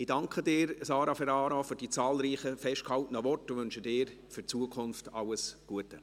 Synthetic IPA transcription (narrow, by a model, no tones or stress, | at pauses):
ɪd̥ɑŋkχədɪːɾsɑːɾɑfɛɾɑːɾofyɾd̥iːt͡sɑːlɾiːχəfɛʃt̚khɑltənəʋɔrtəʋʏnʃədɪːɾ | fyt͡suəkʰʊnftɑləsɡ̥uətə